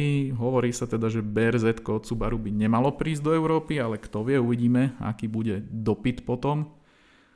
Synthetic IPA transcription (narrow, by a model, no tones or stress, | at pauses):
iɦɔʋɔɾiːsat̪ɛd̪aʒɛbɛɾzɛt̪kɔt̪t͡subaɾubiɲɛmalɔpɾiːzd̪ɔɛʊɾɔːpialɛkt̪ɔʋɪɛuʋiɟiːmɛa̰kiːbuɟɛd̪ɔpit̪pɔt̪ɔm